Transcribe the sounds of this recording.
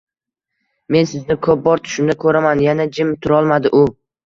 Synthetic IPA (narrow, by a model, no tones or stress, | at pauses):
me̞nsɪznɪkʰɵp̚bɒɾt̪ʰʊ̥ʃɪmd̪akʰɵɾamanjanad͡ʒɪmt̪ʰʊɾɒlˠmad̪ɪʔʊ